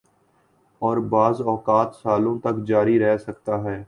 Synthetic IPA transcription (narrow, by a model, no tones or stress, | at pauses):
ɔːɾbaːzɔːkaːt̪saːlõːt̪ɐkd͡ʒaːɾiɾɛɦsək̚t̪aːɦɛː